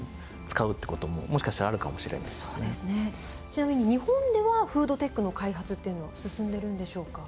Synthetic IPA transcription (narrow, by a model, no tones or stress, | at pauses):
t͡sɨ̥kaɯ̟t̪ːeko̞t̪o̞mo̰mo̞ɕi̥kaɕt̪aɾaːɾɯ̟kamo̞ɕiɾḛnasod̪esɨne | t͡ɕinamʲiɲ̟iɲ̟ihõ̞nd̪e̞βaɸɯ̟ːd̪o̞t̪e̞kːɯ̟no̞kaiɦat͡sɨt̪ːe̞iɯ̟no̞βasɨsɨ̃nd̪e̞ɾɯ̟̃nd̪e̞ɕo̞ːka